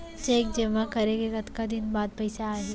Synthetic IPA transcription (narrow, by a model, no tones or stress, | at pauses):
t͡ʃeːkd͡ʒɐmakɐɾeɡeɡɐt̪kad̪ɪnbaːd̪̚pɐɪsaːɦe